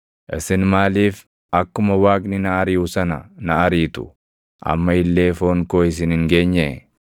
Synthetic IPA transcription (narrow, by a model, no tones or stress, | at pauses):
ʔɪsɪnmaːliːf | ɐkːʊmɐwaːknɪnɐːɾiːʊsɐnɐ̰nɐɐɾiːt̪ʊ̥̰ | ʔɐ̰mːɐɪlːe̞ːfoːŋkoːɪs̬ɪnɪŋɡe̞ːɲːɛ